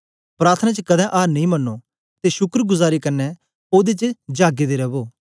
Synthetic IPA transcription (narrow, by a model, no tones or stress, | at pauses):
pɾaːɾt̪ʰənãt͡ʃəkɐd̪ɛ̃ʔaːɾnɐĩːmɐnːoː | t̪eːʃʊkəɾɡʊzaːɾikɐɾnɛ | oːd̪et͡ʃd͡ʒaːɡed̪eɾɐboː